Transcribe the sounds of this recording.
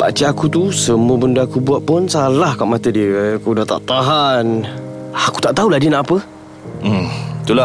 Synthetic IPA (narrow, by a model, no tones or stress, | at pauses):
ba̰t͡ʃaakut̪usəmũəbəndaakubuaʔ̪̚pʊnsalahkaʔmat̪ədikudaht̪a̰ʔt̪aɦan | aku̥t̪aʔt̪auladinãʔapə | t̪ula